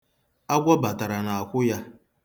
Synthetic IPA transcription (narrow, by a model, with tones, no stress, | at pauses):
a˦ɡʷɔ˦ba˨ta˨ɾa˨na˨a˨kʷʊ˦ja˦